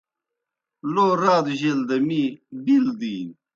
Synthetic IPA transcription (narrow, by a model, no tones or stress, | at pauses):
loːɾaːd̪ʑeld̪ɐmibild̪iːn